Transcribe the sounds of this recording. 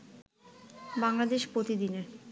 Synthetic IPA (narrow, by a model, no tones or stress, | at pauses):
baŋlad̪eʃpɾot̪id̪ine